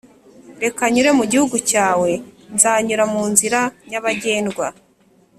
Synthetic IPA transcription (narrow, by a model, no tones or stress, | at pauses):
ɾe̞kaɲuɾe̞muɟihuɡucaːwe̞nzaːɲuɾamuːnziɾaɲaβaɟe̞ːndɡwa